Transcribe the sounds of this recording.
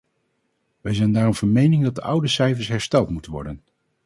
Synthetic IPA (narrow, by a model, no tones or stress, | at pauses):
ʋɛjzɛjndaːɾɔmv̥ɑnmejnɪŋdɑt̚dəʔʌwdəsɛjfəɹsɦɛɹstɛlˠtmutənʋɔ̰ɹdən